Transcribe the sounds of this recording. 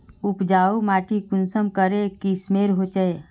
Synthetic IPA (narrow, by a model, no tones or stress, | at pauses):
ʊpd͡ʒaːumaːʈikʊnsəmkəɾekismeːɾɦot͡ʃəe